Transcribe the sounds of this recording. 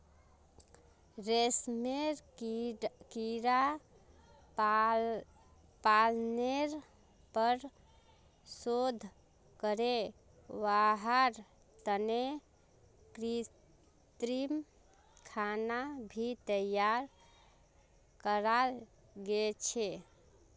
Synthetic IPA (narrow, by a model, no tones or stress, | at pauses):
ɾesmeɾ | kiɾa | palneɾ | pəɾ | sod̪ʱ | kəɾe | ʋaɦaɾ | t̪əne | kɾi | t̪ɾim | kʰanabʱit̪əjaɾ | kəɾal | ɡet͡ʃʰe